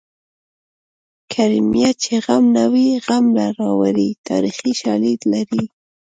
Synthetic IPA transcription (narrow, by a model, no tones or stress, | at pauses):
kʰaɾimijat͡ʃeɣamnawiɣamlaɾɑwaɾit̪ɑ̰ɾixiʃɑlid̪laɾi